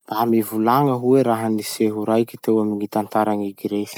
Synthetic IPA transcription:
b̥̪amivulaŋəɦueɾaɦəniseɦuɾajkʲit̪ewaminit̪ant̪aɾaŋiɡiɾe

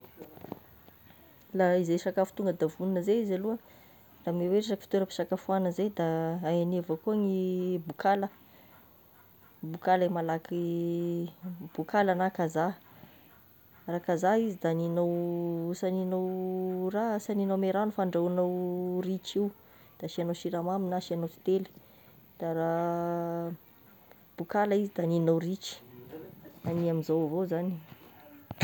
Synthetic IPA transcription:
laizesakafu̥t̪uŋɡəd̪avuninəzeizaluə | rameweʈ͡ʂaaki̥fi̥t̪eɾəpi̥sakafuanəzed̪aaanevəkuaŋibukalə | bukalemalaki | b̥ukalanakaza | rakazaizid̪aninowsaninowrasaninomeɾanufaɳɖ͡ʐanowrit͡ʃiw | d̪̥aʃianowʃiɾamaminaʃianowt̪i̥t̪eli̥ | d̪̥aɾa | b̥ukalaizid̪aninowrit͡ʃi̥ | aniamizowvozani

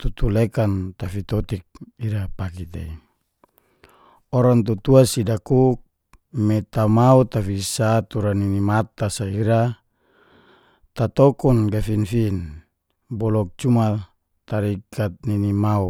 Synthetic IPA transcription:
t̪ut̪ulekant̪afit̪ɔt̪ik̚iɾapakit̪ḛi | ɔɾaŋt̪̬ut̪uasidakuk̚ | mɛt̪amaut̪afisat̪uɾaninimat̪asaiɾa | t̪at̪ɔkɔnɡafinfin | bɔlɔk̚t͡ʃuma | t̪aɾikʰat̪̚ninimau

